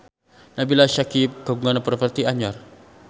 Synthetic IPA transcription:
nabilaʃakikaɡuŋanapərfərt̪iaɲɔr

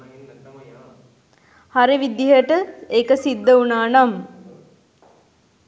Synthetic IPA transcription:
haɾiʋid̪iɦəʈəekəsid̪ːəunaːnam

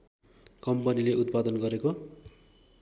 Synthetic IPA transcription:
kʌmpʌnileʔut̪̚pad̪ʌnɡʌɾeko

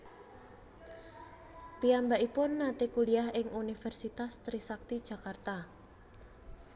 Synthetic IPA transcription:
piambaʔipʊnːat̪ekuliahɪŋunifɛrsit̪ast̪ɾisak̚t̪id̥ʒ̥ä̤kart̪a

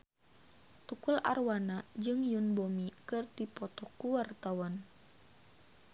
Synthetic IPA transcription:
t̪ukula̰rwanad͡ʒɨŋjunbomikɨrdipɔt̪ɔkuwart̪awan

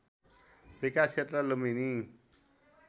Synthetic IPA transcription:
bikast͡ʃʰet̪ralumini

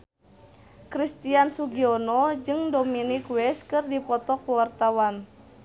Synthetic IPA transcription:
kɾist̪iansuɡiɔnɔd͡ʒɨŋdominikwɛskɨrdipɔt̪ɔkuwart̪awan

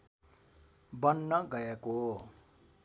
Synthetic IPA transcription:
bʌnːʌɡʌjeko

